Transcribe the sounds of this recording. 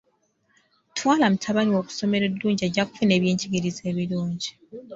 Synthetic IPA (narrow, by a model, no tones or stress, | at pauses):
tʰwaːlamutʰaβaniwo̞ku̥so̞me̞ɾedːuːɲɟieɟːaku̥fune̞ːβjeːɲɟiɡiɾize̞ːβiluːɲɟi